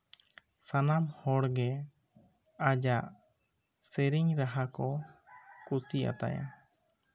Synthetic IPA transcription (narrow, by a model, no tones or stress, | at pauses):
sanamhɔɽɡɛ | ad͡ʒaʔ | sɛɾiɲɾaɦakɔ | kusia̰t̪a̰ja̰